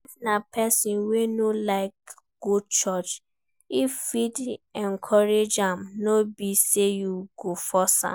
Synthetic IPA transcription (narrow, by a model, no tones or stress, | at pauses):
vnapɛsĩnwenolaɪk̚ | ɡ̥ut͡ʃɔt͡ʃ | iffidɛ̃nkʰɔɾed͡ʒãmnobisejuɡofɔsã̰